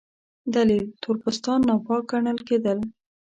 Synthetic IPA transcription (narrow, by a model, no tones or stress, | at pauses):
d̪alilt̪ʰʊɾbəst̪ɑnːɑpɑk̚ɡaɳəlked̪əl